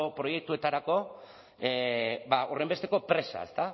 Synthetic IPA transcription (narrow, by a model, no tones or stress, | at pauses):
opɾo̞je̞k̚t̪ue̞t̪aɾako̞ | ebaʔore̞mbe̞st̪e̞ko̞pɾe̞sa̰e̞̰st̪a